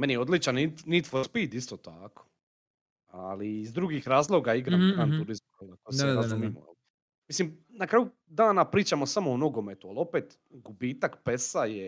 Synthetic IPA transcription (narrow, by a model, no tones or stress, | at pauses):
menijeo̞d̪lit͡ʃanit̪nit̪fospiːd̪ist̪oːt̪ako̥ | aliːzd̪ɾuɡixɾaːzlˠo̞ɡaiɡɾamɡɾaːnt̪uɾizmkolakoseɾazumimṵa̰li | mislimnakɾaːju | d̪aːnapɾiːt͡ʃamo̞samoonoɡo̞met̪ualˠo̞peːt̪ | ɡubiːt̪akpe̞saje